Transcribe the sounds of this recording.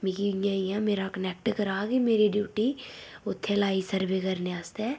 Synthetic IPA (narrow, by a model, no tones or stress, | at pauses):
mikijãːijãːmeːɾakənɛːk̚ʈkəɾaːɡimeːɾiɖjuːʈiːʊt̪ʰːelaːisəɾbeːkəɾneaːst̪ɛː